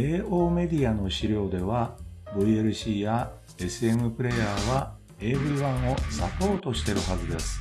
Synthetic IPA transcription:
e̞ːo̞ːme̞d̪ʲiano̞ɕiɾʲjo̞ːd̪e̞β̞abɯ̟ieɾɯ̟ɕiːja | e̞sɨe̞mɯ̟pɯ̟ɾe̞jaːβa | e̞ːbɯ̟ɾiβãɰ̃o̞sapo̞ːt̪o̞ɕi̥t̪e̞ɾɯ̟ɦazɨd̪e̞sɨ̥

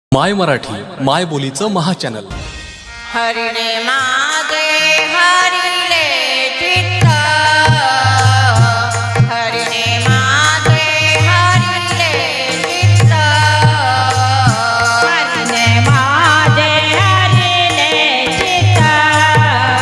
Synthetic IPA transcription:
majməɾaʈʰiːmajbolit͡səməɦat͡ɕænə̰l | həɾinemad̪eməɾileɡit̪ə | ɦəɾine | maɦd̪e | məɾi | lːe | ɡit̪ə | aɾinemad̪eɦəɾi | ne | ɡit̪a

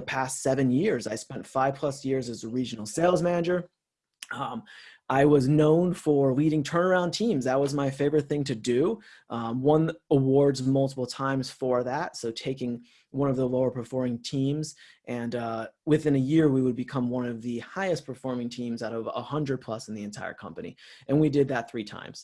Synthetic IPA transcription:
əpʰæstsɛvɨ̃njɪɹzaɪspɛ̃ntfaɪv̥pʰl̥ʌsjɪɹzɨzəɹid͡ʒn̩l̩ˠseɪlˠzmænɨd͡ʒə˞ | ʔaɪwʌznõʊ̃nfə˞liɾɪ̃ŋtʰɜ̃˞nə˞ãʊ̃ntʰĩmzðət̚wʌzmaɪfeɪvə˞ɨt̪̚θɪ̃ŋtʰɨdɨ | ʔwʌ̃nəwɔɹdzmʌlˠtəpl̩ˠtʰãɪ̃mz̥fə˞ðætsoʊtʰeɪkɪ̃ŋ | wʌ̃nʌvðəloʊə˞pʰə˞fɔɹmɪ̃ŋtʰĩmz | ʔɨ̃nwɨθɪ̃nɨjɪɹwiwəd̚bɨkʰʌ̃mwʌ̃nʌvðɨhaɪɨs̚pʰə˞fɔɹmɪ̃ŋtʰĩmzaʊɾʌvə̰hʌ̃ndɹɨd̚pʰl̥ʌsn̩ðiɨ̃ntʰaɪə̰˞kʰʌ̰̃mpɨnḭʔɨ̃nwidɨd̪̚ðɨt̪̚θɹitʰã̰ɪ̃mz̥

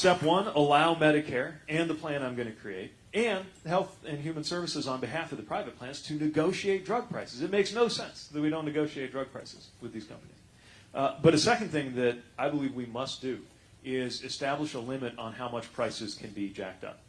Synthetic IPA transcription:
stɛpwʌ̃nəlaʊmɛɾɨkʰɛɹɨ̃nðəpʰl̥æ̃ñãɪ̃mɡʌñɨkʰɹ̥ieɪɾ | ɨ̃nɦɛlˠθɨ̃njʉm̃nsɜ˞vɨsɨzn̩bɨɦæfʌvðɨpʰɹ̥aɪvɨt̚pʰl̥æ̃nz̥tʰɨnɨɡoʊʃieɪt̚dɹʌɡ̚pʰɹ̥aɪsɨzɨt̚meɪksnoʊsɛ̰̃nsðət̚wiɾõʊ̃nːɨɡoʊʃieɪt̚dɹʌɡ̚pʰɹ̥aɪsɨ̰z̥wɨðiz̥kʰʌ̰̃mpənḭz̥ | b̥ʌt̪̚ðɨsɛkɨ̃n̩θɪ̃ŋðɨɾaɪbəlivwimʌsd̥ɨ | ɪzɨstæbləʃəlɪ̃mɨɾn̩haʊmʌt͡ʃpʰɹ̥aɪsɨz̥kʰɨ̃nbid͡ʒæ̰k̚tʌ̰p̚

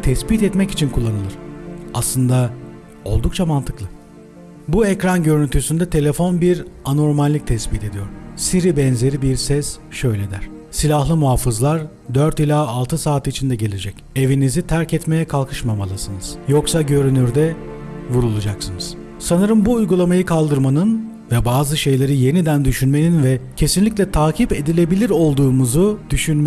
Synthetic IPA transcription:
t̪ʰɛspit̪ɛt̪mɛci̥t͡ʃʰinkʰulˠːanɯlˠɯɾ̥aslˠɯnd̪a | o̞̰lˠd̪uk̚t͡ʃʰamant̪ʰɯklˠɯ | buecɾanɟø̞ɾynt̪ʰysynd̪ɛt̪ʰe̞lʲe̞fo̞nbiɾano̞ɾmalʲːic̚t̪ʰɛspit̪ʰe̞d̪ijo̞ɾ̥siɾibɛnze̞ɾibiɾsɛs | ʃø̞jlʲe̞d̪æɾ̥ | silʲahlˠɯmuɦaːfɯzlˠaɾ | d̪øɾt̪ilʲaːlˠt̪ʰɯsaːt̪it͡ʃʰind̪ɛɟe̞lʲe̞d͡ʒɛc | e̞vinizit̪ʰæɾcɛt̪me̞jɛkʰalˠkʰɯʃmamalˠasɯnɯz̥jo̞ksaɟø̞ɾynyɾd̪ɛ | vuɾulˠud͡ʒaksɯnɯz̥ | sanɯɾɯmbuːjɡulˠamajɯkʰalˠd̪ɯɾmanɯn | vɛbaːzɯʃe̞jlʲe̞ɾije̞nid̪ænd̪yʃynme̞ninvɛcʰe̞sinlʲicʲlʲɛt̪ʰaːcʰipe̞d̪ilʲe̞bilʲiɾo̞lˠd̪uːmuzud̪̥yʃynm

